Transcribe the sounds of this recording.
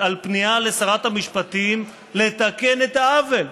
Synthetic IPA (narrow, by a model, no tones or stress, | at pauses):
alpnialesaʁat̪hamiʃpat̪im | le̞t̪ake̞ne̞t̪aave̞l